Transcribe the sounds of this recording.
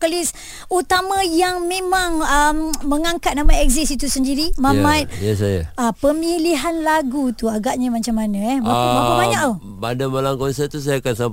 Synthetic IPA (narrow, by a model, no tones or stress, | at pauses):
kəlis | ut̪amãjaŋmẽmaŋəmməŋaŋkat̪̚namãɛkzisit̪usəndiɾimamat̪̚jasaja̰apəmiliɦanlaɡut̪uaɡaʔɲəmat͡ʃamːanə̃ɛbaabapabaɲaʔ̚u | badamalaŋkɔnsɛt̪us̬ajaːkansamp